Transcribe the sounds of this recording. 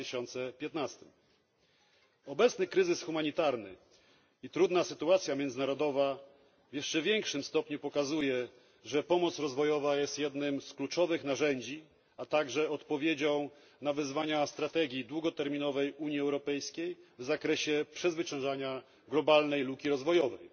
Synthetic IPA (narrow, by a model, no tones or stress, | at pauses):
ɕɔnt̪sɛpʲjɛt̪nast̪ɘm | ɔbɛt̪snɘkɾɘzɘsxumaɲit̪aɾnɘ̰ | it̪ɾud̪nasɘt̪uat̪sʲjamʲjɛnd̪zɘnaɾɔd̪ɔva | vjɛʂt͡ʂɛvʲjɛŋkʂɘmst̪ɔpɲupɔkazujɛ | ʐɛpɔmɔt̪sɾɔzvɔjɔvajɛst̪jɛd̪nɘmsklut͡ʂɔvɘxnaʐɛɲd͡ʑi | at̪aɡʐɛɔt̪pɔvʲjed͡ʑɔ̃w̃ | navɘzvaɲast̪ɾat̪ɛɡʲjid̪wuɡɔt̪ɛɾmʲinɔvɛjuɲjiɛwɾɔpɛjskʲejvzakɾɛɕɛpʂɛzvɘt͡ɕɛ̃w̃ʐaɲa | ɡlɔbalnɛjlukʲiɾɔzvɔjɔvɛ̰j